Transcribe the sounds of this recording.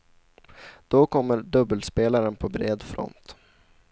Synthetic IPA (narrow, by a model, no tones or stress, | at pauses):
d̪̥okʰɔmːəɾɖɵbəlspeːlaɾənpʰɔbɾeːd̪fɾɔ̰nt̪